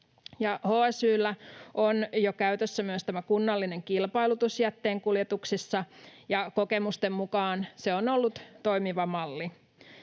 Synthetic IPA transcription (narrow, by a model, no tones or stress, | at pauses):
jɑhoːæsyːlːæʔonjokæyt̪øsːæmyøst̪æmækunːɑlːineŋkilpɑilut̪usjæt̪ːeːŋkuljet̪uksisːɑjɑkokemust̪emmukɑːnseonolːut̪t̪oimiʋɑmɑlːi